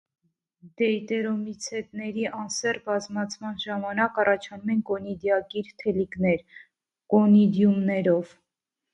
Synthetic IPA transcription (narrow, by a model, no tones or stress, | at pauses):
d̪̥ɛjt̪ɛɾɔmit͡sʰɛt̪nɛɾiʔɑnsɛrbɑzmɑt͡sʰmɑnʒɑmɑnɑkɑrɑt͡ʃʰɑnumɛnkɔnid̪jɑkiɾt̪ʰɛliknɛɾ | kɔnid̪jumnɛɾɔv̥